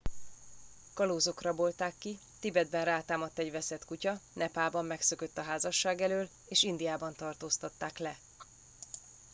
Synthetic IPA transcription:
kɒloːzo̞krɒbo̞lt̪aːkːi | t̪ibɛd̪̚bɛnraːt̪aːmɒt̪ːɛɟvɛsɛt̪kucɒnɛpaːbɒmːɛksø̞køt̪ːɒɦaːzɒʃːaːɡɛløːl | eːʃind̪ijaːbɒnt̪ɒrt̪oːst̪ɒt̪ːaːklɛ

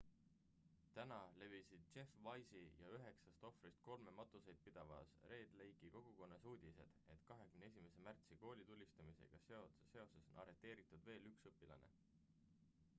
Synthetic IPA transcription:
t̪ænɑle̞visid̪̥̚t͡ʃe̞fvɑjsijɑyɦe̞ksɑst̪o̞frist̪̚ko̞lme̞mɑt̪ˑuse̞jd̪̥̚pid̪̥ɑvɑ̰sre̞ːd̪̥le̞jɡiko̞ɡ̥uko̞nːɑsuːd̪̥ʲise̞̰d̪̥e̞t̪kɑɦe̞kymnee̞s̬ʲime̞se̞mært̪siko̞ːlʲit̪ulʲːist̪ɑmise̞̰ɡ̥ɑse̞o̞t̪sese̞o̞se̞sonɑ̰ɾe̞t̪ˑːe̞ːɾit̪ːˑud̪ve̞ːlyksɤpːˑilɑ̰ne̞̰

